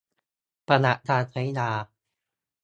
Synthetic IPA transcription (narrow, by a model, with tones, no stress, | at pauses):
pa˧na˨˩ʔt̪ʰaː˧t̪ʰa˨˦jdaː˧